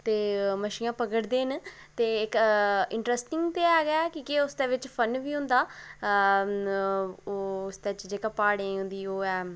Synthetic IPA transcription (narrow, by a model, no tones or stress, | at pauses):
t̪eːməʃiːãːpəɡəɽd̪eːn | t̪eːɪkɪɳʈɾɛsʈɪŋɡt̪eːɛːɡkĩːkiʊsd̪eːʋɪt͡ʃpʰənʋiːɦʊ̃nd̪aː | ʊsd̪eːɪt͡ʃd͡ʒeːkapaːɽeːɦʊ̃nd̪iːoːɛː